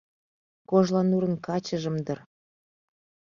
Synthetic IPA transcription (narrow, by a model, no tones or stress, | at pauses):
koʒlɑnuɾə̆nkɑt͡ɕəʒə̆md̪ər